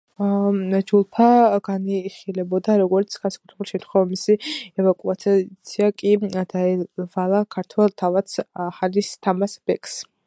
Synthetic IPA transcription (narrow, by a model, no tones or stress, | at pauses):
d͡ʒulˠpʰaɡ̥aniχilɛbɔd̪aɾɔɡɔɾt̪sʰɡ̥ansḁkʼut̪ʰɾɛbuliʃɛt̪ʰχɔvamisiɛvakʼuat̪t̪sʰiakʼid̪aɛvalˠakʰaɾt̪ʰwɛlˠt̪ʰavat̪sχalist̪ʰamasb̥ɛkʰʼs